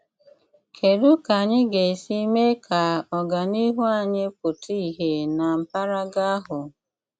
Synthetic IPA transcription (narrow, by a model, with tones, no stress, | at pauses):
kʰe˨ɾu˦ka˨ɲɪ˦ɡe˨si˦me˦kʰa˨ɔ˨ɡa˨ni˦ɦu˦a˦˨ɲɪ˦p̚ʊ˨tʰi˦i˦˨ɦe˨na˨m̩˨pa˦ɾa˦ɡa˦a˦ɦʊ˨